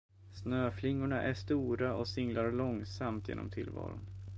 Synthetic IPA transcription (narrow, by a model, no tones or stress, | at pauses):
snøːflɪŋːʊɳaʔæʂt̪uːɾaɔsɪŋlaɾɭɔŋsamt̪ʰjḛːnɔmt̪ʰɪlvɑ̰ːɾʊn